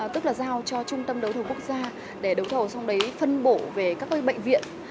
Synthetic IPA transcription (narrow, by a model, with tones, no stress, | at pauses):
t̪ɨ˦˥k̚laː˨˩zaː˧wt͡ɕɔ˧t͡ɕʊ˧ŋ͡mt̪ə˧mɗə˨˦wt̪ʰə˨˩ku˦˥ək̚zaː˧ | ɗe˧˩ɗə˨˦wt̪ʰə˨˩wsɔ˧wŋ͡mɗə˨˦jfə˧nɓo˧˩ve˨˩kaː˦˥k̚ə˧ɓə̰˧˨ŋ̟vḭ˧˨ən